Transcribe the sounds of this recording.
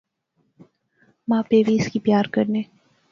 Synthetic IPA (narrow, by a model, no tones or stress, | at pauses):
mãːpeʋiɪskipjaːɾkəɾneː